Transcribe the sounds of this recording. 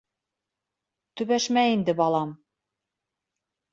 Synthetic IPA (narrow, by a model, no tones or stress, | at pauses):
t̪ʉβæʃmæind̪ɘbɑlˠɑm